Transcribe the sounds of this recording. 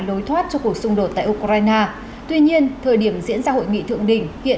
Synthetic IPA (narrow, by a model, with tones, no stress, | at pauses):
lo˨˦jt̪ʰwaː˦˥t̚t͡ɕɔ˧ku˨˩ək̚sʊ˧ŋ͡mɗo˨˩t̚t̪a̰ː˧˨ʔu˧kɾaː˧jnaː˧ | t̪wi˧ɲi˧ənt̪ʰəː˨˩jɗi˧˩əmzḭ˧˥ənzaː˧ho̰˧˨jŋḭ˧˨t̪ʰɨ̰˧˨əŋɗï˧˩ŋ̟hḭ˧˨ə